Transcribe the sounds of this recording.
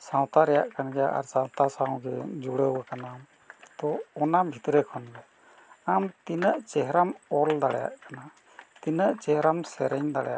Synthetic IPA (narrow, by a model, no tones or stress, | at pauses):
sãw̃t̪aɾɛja̰ʔkanɡɛjaʔa̰ɾsãw̃t̪asaw̃ɡɛ̰d͡ʒuɽəwakanam | t̪ɔɔnabʱit̪ɾɛkʰɔnɡɛ | amt̪inəʔt͡ʃɛɦɾamɔld̪aɽɛja̰ʔkana | t̪inəʔt͡ʃɛɦɾamsɛɾɛɲd̪aɽɛja̰ʔʔ